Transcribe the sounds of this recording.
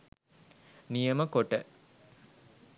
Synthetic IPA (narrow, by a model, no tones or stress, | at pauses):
nijəməkoʈə